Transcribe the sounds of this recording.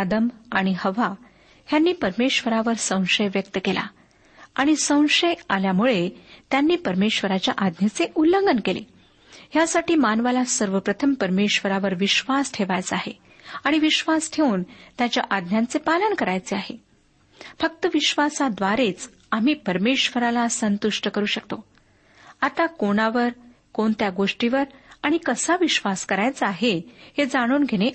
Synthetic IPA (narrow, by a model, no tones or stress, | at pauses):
ad̪əmaɽ̃ihəʋa | ɦjanːiːpəɾmeɕʋəɾaʋəɾsə̃w̃ʂəjʋjək̚t̪əkela̰ | aɽ̃isə̃w̃ʂəjaljamuɭet̪janːiːpəɾmeɕʋəɾat͡ɕjaʔad̪nat͡seʔulːəŋɡənkelḛ | ɦjasaʈiːmanʋalasəɾʋəpɾət̪ʰəmpəɾmeɕʋəɾaʋəɾʋiɕʋasʈʰeʋajt͡saɦḛ | aɽ̃iʋiɕʋasʈʰeuːnt̪jat͡ɕjaʔad̪njant͡sepalənkəɾajt͡seaɦe | fək̚t̪əʋiɕʋasad̪ʋaɾet͡s | am̤iːpəɾmeɕʋəɾalasənt̪uʂʈəkəɾuːɕəkt̪o | at̪akoɽ̃aʋəɾ | koɳt̪jaɡoʂʈiʋəɾaɽ̃ikəsaʋiɕʋaskəɾajt͡səaɦehed͡zaɽ̃uːnɡʱeɽ̃e